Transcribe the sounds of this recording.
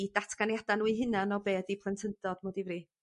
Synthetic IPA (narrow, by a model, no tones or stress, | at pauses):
datʰɡ̥anjad̥anuiɦɪnanɔbeːdipʰlˠəntʰəndɔd̥mɔdɪvri